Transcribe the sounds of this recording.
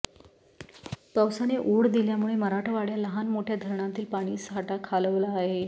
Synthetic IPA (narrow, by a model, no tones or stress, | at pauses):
pəwsaneʔoɽd̪iljamuɭeməɾaʈʰəʋaɽjaləɦanmoʈʰjad̪ʱəɾɳant̪iːlpaɽ̃iːsɦaʈakʰaləʋlaːɦe